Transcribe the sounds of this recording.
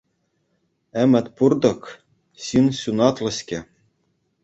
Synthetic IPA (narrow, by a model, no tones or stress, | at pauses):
æmʲɘ̆t̪ʲpurd̪ɤ̆k | ɕinɕʲunɑt̪lˠɤ̆ɕʲkʲĕ